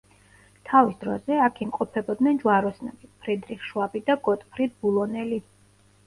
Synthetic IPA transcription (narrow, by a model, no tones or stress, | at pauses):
t̪ʰavisd̪ɾɔzɛakʰimqʼɔpʰɛbɔd̪nɛnd͡ʒwaɾɔsnɛ̰bipʰɾɛd̪ɾiχʃwabid̪aɡɔt̪ʼpʰɾid̪̚bulˠɔnɛli